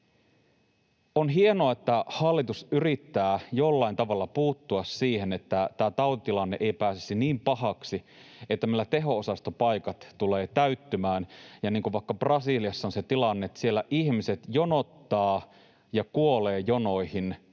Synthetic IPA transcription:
onɦie̞noɑet̪ːæhɑlːit̪usyrit̪ːæːjolːɑint̪ɑʋɑlːɑpuːt̪ːuɑsːiːhenet̪ːæt̪æːt̪ɑut̪it̪ilɑnːeʔejpæːsesiniːmpɑɦɑksi | et̪ːæmelːæt̪e̞ɦo̞osɑst̪opɑjkɑt̪tuleːt̪æyt̪ːymæːnjɑniːŋkuʋʋɑikːɑprɑsiliɑsːɑonset̪ilɑnːet̪ːsielːæʔiçmise̞t̪jo̞no̞t̪ːɑː | jɑkuo̞leːjonojhin

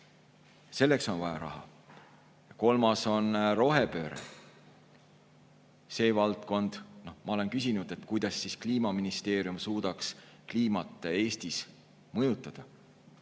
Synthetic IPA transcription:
se̞lːekso̞nvɑjɑ̰ɾɑ̰ɦɑ̰ | jɑko̞lmɑso̞nro̞ɦepø̞̰ːɾḛ | se̞ːvɑlt̪ko̞nd̪̥no̞hmɑo̞le̞nkysinud̪̥e̞t̪ˑkujd̪̥ɑsːiskliːmɑminist̪e̞ːɾjumsuːd̪̥ɑkskliːmɑt̪ːˑee̞ːst̪is | mɤjut̪ːˑɑd̪̥ɑ

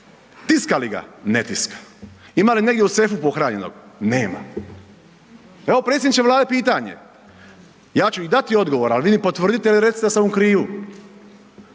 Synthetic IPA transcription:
t̪iskaliɡa̰net̪iskḁ | imaline̞ɡd̪ʲjeusefupo̞xɾaːɲe̞no̰ɡneːma̰ | eʋo̞pɾesed̪it͡ʃeʋlˠaːd̪epiːt̪aɲḛ | jaːt͡ʃuid̪at̪io̞d̪ɡo̞ʋo̞ɾalʋiːnipo̞t̪ʋr̩ːd̪it̪eiliɾet̪sit̪asamukɾiːu

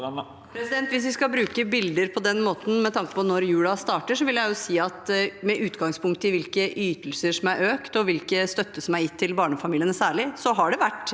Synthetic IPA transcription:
pʰɾɛsɪd̪ɛnt̪ʋɪs̬ʋɪskɑbɾʉːkəbɪld̪əɾpʰɔd̪ɛnmoːt̪n̩mɛt̪ʰɑŋkə̥pʰɔnɔɾjʉːɽɑst̪ɑːʈəʂɔʋɪljæɪjʊsiːɑt̪mɛʔʉːt̪ɡɑŋspʰʊŋkt̪əɪʋɪlkəʔyːt̪əlsəʂɔmæɾʔøːkt̪ɔʋɪlkəst̪œt̪ʰːəsɔmæɾjɪt̪ʰːɪlbɑːɳəfɑmiːlɪənəsæːɭɪsɔɦɑɖɛʋæʈː

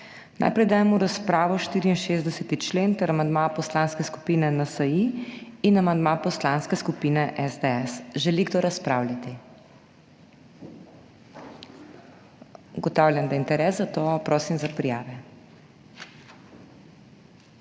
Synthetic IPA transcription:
na̰ːjpɾɛjd̪aːjɛmuɾaspɾaːʋɔʃt̪iːɾiːnʃezd̪ɛsɛt̪it͡ʃlent̪əɾamand̪mapɔslanskɛsku̥piːnɛnasɐjiinamand̪mapɔslanskɛskupiːnɛʔɛzd̪eɛsʒɛliɡd̪oɾaspɾaːwlʲjʲat̪i | uɡɔt̪aːwlʲjand̪aint̪ɛɾɛszat̪opɾoːsimzapɾijaːʋɛ

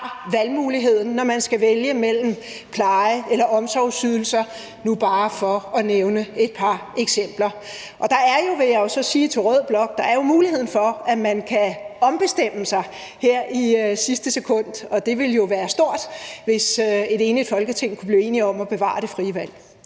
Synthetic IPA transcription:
ʋælmuːliɦe̝ð̞̰ˠn̩ːɒmænsɡ̥æʋeljəmel̰m̩ | pʰlɑ̈ɪəelɐʔɒ̽msɒʊsyðˠl̩sɐ | nub̥ɑ̈ːfɒ̽ɒneʊnəe̝d̥̚pʰɑ̈eɡ̥sem̰b̥lɐ | ʔɒ̽d̥ɑ̈æɐjo̝ʋe̝jɑ̈o̝sɒ̽siːt͡sʰe̝ʁœð̰ˠb̥lɒ̽ɡ̥̚d̥ɑ̈æɐjo̝muːlihe̝ð̰ˠn̩fɒ̽æmænkʰæɒ̽mb̥e̝sd̥em̰əsɑ̈ɪ | heɐ̰isisd̥əsekʰɔ̽n̰d̥ɒ̽d̥e̝ʋe̝ljo̝ʋæːɐsd̥o̝ɐ̰d̥ʋe̝se̝ɾe̝ːnlid̥fɒ̽lɡ̥ət͡sʰe̝ŋ̰kʰu̥b̥liːe̝̰ːniɒ̽mɒ̽b̥e̝ʋɑ̰̈ːd̥e̝fʁiʋæl̰

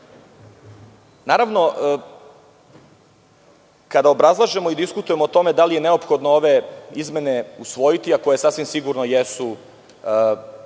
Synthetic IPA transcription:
naːɾaʋno̞ʔ | kad̪aobɾazlˠaʒe̞mo̞id̪iskut̪ujemo̞ot̪o̞me̞d̪alije̞neo̞pxo̞d̪noo̞ʋe̞izme̞ne̞usʋo̞jit̪iako̞jesasʋimsiɡuɾnojesu

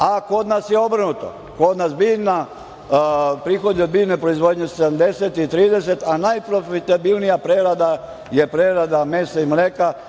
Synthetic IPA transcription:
ako̞d̪nasjeo̞brnut̪o̰ | ko̞d̪nasbiːʋna | pɾixod̪jod̪̚biːnepɾoizʋo̞d̪ɲesed̪amd̪eset̪it̪ɾiːd̪es̬et̪anajpɾofit̪abilˠnijapɾeɾad̪a | jepɾeɾad̪amesaimleːka

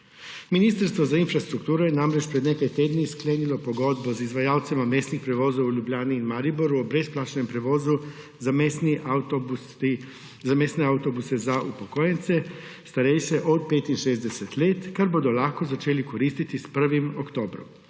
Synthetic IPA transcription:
minist̪ɾst̪ʋozainfɾast̪ɾukt̪uːɾujenamɾet͡ʃpɾed̪nekajt̪ed̪niskleːnilopo̞ɡo̞d̪bozizʋajaːlt̪simameːsnixpɾeʋoːzoauʎubʎaːniːnmaɾiboɾuobɾe̞splˠaːt͡ʃnempɾeʋo̞ːzu | ani | zamesneaut̪obusezaʔupokojent̪se̞ | st̪aɾejʃeʔod̪̚peːt̪inʃeːzd̪eset̪lʲeːt̪kaɾbod̪olaxko̞zat͡ʃeːliko̞ɾist̪it̪ispr̩ʋimokt̪o̞ːbɾo̰m

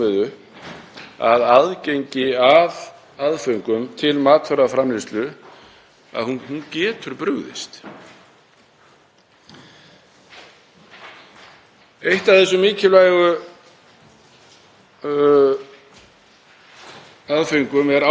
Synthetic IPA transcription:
ɪðʏ | a̰ðaðcejɲcɪav | aðfʏɥŋkʏmt̪ʰɪlmaːt̪fœɾafɾamlist̪lʏ | a̰ðhuhuncɛːt̪ʏɾpɾʏɣðɪ̰st̪ | ejht̪avθɛs̬ːʏmiːcʏlajɣʏ | aðfʏŋkʏmɛɾa

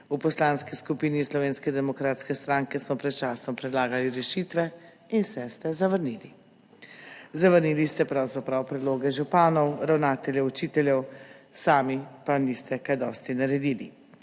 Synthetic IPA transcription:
upɔslanskiskupiːnislɔʋeːnskɛd̪ɛmɔkɾaːt̪skɛst̪ɾaŋkɛsmɔpɾɛt̪̚t͡ʃaːsɔmpɾɛd̪laːɡaliɾɛʃiːt̪ʋɛ | insɛst̪ɛzaʋəɾnili | zaʋəɾniːlist̪ɛpɾawzapɾawpɾɛd̪loːɡɛʒupaːnɔwɾawnaːt̪ɛljɛut͡ʃiːt̪ɛljɛwsaːmipanist̪ɛkajd̪ɔːst̪inaɾɛd̪iːli

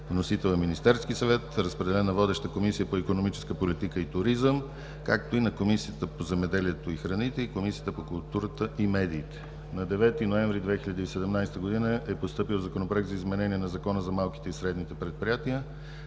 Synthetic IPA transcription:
vnosit̪ɛlˠnɐminist̪ɛɾskisɐvɛt̪ɾəspɾɛd̪ɛlɛnːɐvɔd̪ɛʃt̪əkomisijəpoikonomit͡ʃɛ̥skəpolit̪ikəit̪ʊɾizəm | kak̚t̪oinɐkomisiət̪əpozɛmɛd̪ɛliɛt̪oixɾɐnit̪ɛikomisijət̪əpokʊlˠt̪uɾət̪əʔimɛd̪iːt̪ɛ̥ | nɐd̪ɛvɛt̪inoɛ̃ɱvɾid̪vɛxiʎʲəd̪iːsɛd̪ɛmnajst̪əɡod̪inəɛpost̪ɤpilˠzɐkonopɾɛk̚t̪zizmɛnɛniɛnɐzɐkɔnəzɐmalˠki̥t̪ɛisɾɛd̪nit̪ɛpɾɛt̪̚pɾijat̪iə

